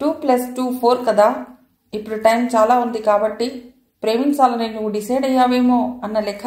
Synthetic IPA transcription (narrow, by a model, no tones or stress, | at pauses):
ʈuːplɐsʈuːpʰoːɾkɐd̪a | ɪpɽiʈaːɪmt͡ʃaːlaɦõːnd̪ikaːbɐʈːi | pɾeːʋɪnsaːlnẽjũɖɪseːɖɐjaːʋemõɐnɐlekʰ